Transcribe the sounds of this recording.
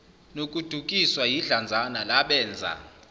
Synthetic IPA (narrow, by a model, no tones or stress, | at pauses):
nokʼud̥ʱukʼiswajiɮand͡zʱanalaɓɛːnd͡zʱa̰